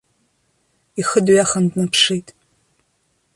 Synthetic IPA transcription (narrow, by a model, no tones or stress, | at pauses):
ixɨdɥaχɐndnɐpʰʂejtʼ